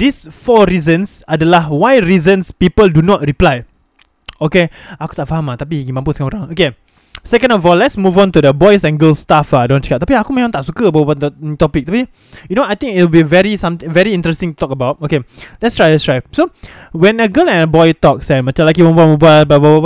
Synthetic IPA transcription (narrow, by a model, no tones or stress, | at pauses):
disfɔɹizə̃nsadəlahwajɹizə̃nspipəldunɔt̚ɹiplaj | okeaku̥t̪aʔfaɦamat̪apiɡimãmpuskãnoɾãŋoke | sɛkə̃ndɔvɔlɛtsmuvɔ̃nt̪udəbɔjsɛ̃nɡəlst̪afadõnt͡ʃəkap̚t̪apiakumẽmãŋt̪aʔsukəbababat̪ɔpɪk̪̚api | junoajt̪ɪ̃ŋkitlbivɛɹisãmt̪ɪ̃ŋvɛɹiĩntɹɛstĩŋtut̪ɔkəbaʊt̚okelɛtstɹajlɛtstɹajsowɛ̃nəɡəlɛ̃nəbɔjt̪ɔk̚sɛ̃mat͡ʃãmlak̬imə̃mbuamə̃buabababaa